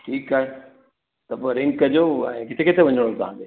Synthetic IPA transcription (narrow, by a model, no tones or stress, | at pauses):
ʈʰiːkaːɦe | t̪ɐpoeɾɪ̃ŋɡkɐd͡ʑoːɛ̃ːkɪt̪ʰeket̪ʰeʋɐɲəɽ̃ot̪ɐã̰ːnd̪eː